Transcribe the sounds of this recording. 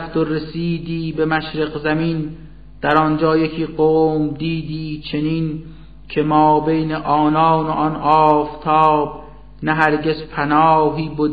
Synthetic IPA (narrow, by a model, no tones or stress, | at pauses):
ft̪oɾesiːd̪iːbemæʃɾeɣzæmiːn | d̪̥æɾɒnd͡ʒɒːjekʰiːɢoːmd̪iːd̪iːt͡ʃʰe̞nin | kʰe̞mɒːbejneʔɒːnɒːnoʔɒnɒːft̪ʰɒːb̥ | næɦæɾɟezpʰænɒːɦiːbod̪